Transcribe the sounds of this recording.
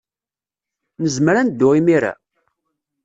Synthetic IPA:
nəzmɾænd̪ːʊʁimiɾæ̰

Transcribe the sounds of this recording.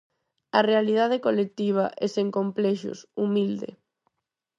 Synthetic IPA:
ɐrealið̞að̞ekolek̚t̪iβ̞aʔɛseŋkomplɛʃʊ̰sumild̪ḛ

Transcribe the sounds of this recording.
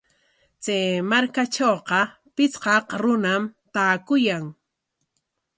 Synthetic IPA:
t͡seːmaɾkaʈ͡ʂowqɑ | pɪt͡sqɑqɾʊnamt̪aːkʊjaŋ

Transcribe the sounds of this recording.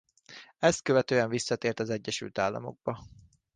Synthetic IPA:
ɛst̪̚køvɛt̪øːɛɱvisːɒt̪eːrt̪ɒzɛɟːɛʃy̰lt̪aːlːɒ̰mo̞̰ɡ̚bɒ

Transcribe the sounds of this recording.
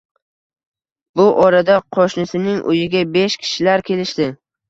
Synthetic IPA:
bʊʔɒɾad̪aqʰoʃnɪsɪnɪŋʔʊ̰jɪɡʲabeʃkʲʰɪ̥ʃɪlaɾkʲʰe̞lɪʃd̪ɪ

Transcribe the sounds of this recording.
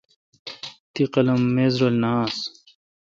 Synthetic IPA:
t̪iqɐlɐmːeːzɾolnaːs

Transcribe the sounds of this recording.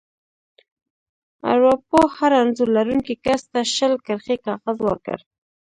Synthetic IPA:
a̰ɾapohaɾanzulaɾuŋkikast̪aʃəlkəɾxekɑɣazwəɾkə̰ɾ

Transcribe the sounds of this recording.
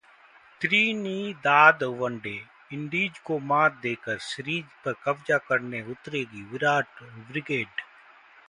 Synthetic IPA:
t̪ɾiːniːd̪aːd̪ʋəɳɖeː | ɪɳɖiːd͡ʒkoːmaːt̪̚d̪eːkəɾsɪɾiːd͡ʒpəɾkɐbd͡ʒaːkəɾneʊt̪ɾeːɡiːʋɪɾaːʈbɾɪɡeːɖ

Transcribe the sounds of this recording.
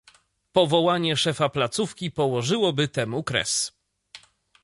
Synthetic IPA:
pɔvɔwaɲɛʂɛfaplat̪sufkʲipɔwɔʐɘwɔbɘt̪ɛmukɾɛ̰s

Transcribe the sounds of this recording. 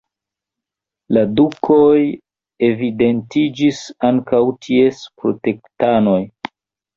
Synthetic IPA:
ladukʰoj | e̞vide̞ntid͡ʒisaŋkawtʰie̞spɾo̰te̞ktano̞j

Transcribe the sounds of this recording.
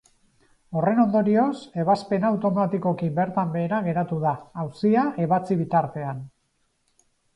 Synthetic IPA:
o̞re̞no̞nd̪o̞ɾio̞se̞β̞aspe̞nawt̪o̞mat̪iko̞kibe̞ɾt̪ambe̞ːɾaɣe̞ɾat̪uð̞aːwsiaʔe̞β̞at͡siβ̞it̪aɾt̪e̞an

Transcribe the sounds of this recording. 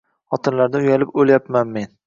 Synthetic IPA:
χɒt̪ʰɪnlaɾd̪ɪʊjalɪpoljapmanme̞n

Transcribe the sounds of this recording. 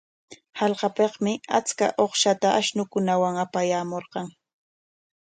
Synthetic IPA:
hɑlqɑpeqmɪat͡ska̰ʔoχʃat̪aʔaʃnʊkʊnawaŋapajaːmoɾqɑŋ

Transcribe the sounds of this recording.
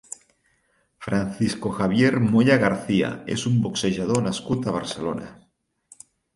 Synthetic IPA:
fɾan̟θiskoxaβ̞jeɾmoʎaɣaɾθia̰ḛsumbokseʒað̞onaskut̪aβ̞aɾselo̰na̰

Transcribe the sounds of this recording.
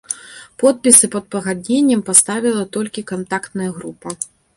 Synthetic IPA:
pɔt̪̚pʲisɨpɐd̪̚pɐɣad̪̚ʲnʲenʲːɛmpast̪avʲilˠɐt̪ɔlʲkʲikant̪akt̪nɐjɐɣɾupɐ

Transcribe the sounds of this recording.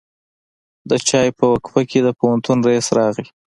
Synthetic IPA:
d̪ət͡ʃɑjpəwakfakʰed̪əpohant̪unɾaisɾɑɣli

